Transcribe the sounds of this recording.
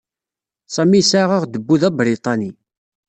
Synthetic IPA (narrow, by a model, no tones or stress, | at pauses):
sˤæmisaʁəʁd̪əbːuðæbɾit̪ˤɑni